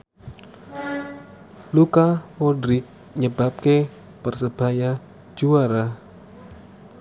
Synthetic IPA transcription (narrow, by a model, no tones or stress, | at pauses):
lukapodɾɪk̚ | ɲəb̥a̤p̚ke | pərsəb̥a̤jḁ | d͡ʒuaɾa